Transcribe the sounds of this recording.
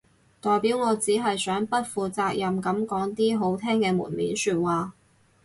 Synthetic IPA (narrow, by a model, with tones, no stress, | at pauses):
t̪ɔː˨jpiː˨˥wŋɔː˨˧t͡siː˨˥ɦɐ˨jsœː˨˥ŋpɐ˥t̚fuː˨t͡saː˧k̚jɐ˨mkɐ˨˥mkɔː˨˥ŋt̪iː˥ɦo˨˥wt̪ʰɛː˥ŋkɛː˧mṵː˨˩nmḭː˨˥nsyː˧t̚waː˨